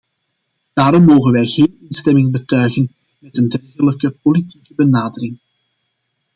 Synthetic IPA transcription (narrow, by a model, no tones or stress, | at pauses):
d̥aːɾɔmːoːwɣənʋɛjɣeːnɪnstɛmɪŋbətœɥɣən | mɛtəndɛrɣələkəpolitikəbənaːdərɪŋ